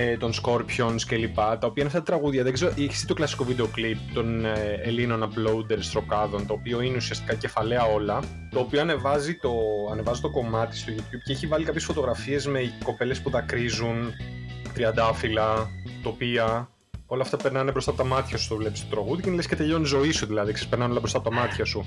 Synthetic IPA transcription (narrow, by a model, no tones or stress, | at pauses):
et̪o̞nsko̞ɾpço̞nsce̞lipɐt̪ɐopiɐinɐft̪t̪ɐt̪ɾɐɣuðʝɐðeɡze̞ɾoʔeçi̥st̪it̪olɐsi̥ko̞vid̪e̞o̞klip̚t̪o̞nelino̞nɐplo̞ud̪eɾst̪ɾo̞kɐðo̞nt̪o̞ːpio̞ineusiɐst̪i̥kɐce̞fɐle̞ɐo̞lɐ | t̪o̞ːpioɐne̞vɐzit̪o̞ɐne̞vɐzit̪o̞ko̞mɐt̪i̥st̪o̞ʝut̪çub̥̚ceeçivɐlikɐpçesfo̞t̪o̞ɣɾɐfie̞zme̞ko̞pe̞le̞spuðɐkɾizun | t̪ɾiɐnd̪ɐfilɐt̪opiɐ | o̞lɐft̪ɐpe̞ɾnɐnepɾost̪ɐpot̪ɐmɐt̪çɐsu̥st̪ovle̞pist̪ot̪ɾɐɣuðijinlescet̪e̞ʎo̞nzo̞isuðilɐðiksespeɾnɐneolɐpɾost̪ɐpot̪ɐmɐt̪çɐsu